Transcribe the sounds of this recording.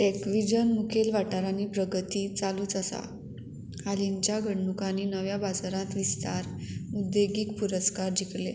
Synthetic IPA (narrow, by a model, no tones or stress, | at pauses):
ekʋid͡ʑənmukʰelʋaʈaɾaniːpɾəɡət̪iːt͡saluːt͡səsa̰ | haliɲt͡ɕjaɡʱəɳːukaniːnəʋjabad͡zaɾãt̪ʋist̪aɾmud̪ʱːeɡiːkpuɾəskaɾd͡ʑiklḛ